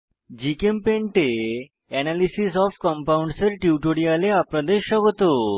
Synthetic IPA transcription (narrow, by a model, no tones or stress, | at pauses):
d͡ʑikempẽɳʈe | ɛnalisisɔfkəmpauɳɖsəɾʈiʈoɽialeapɾəd̪eɕəɡt̪o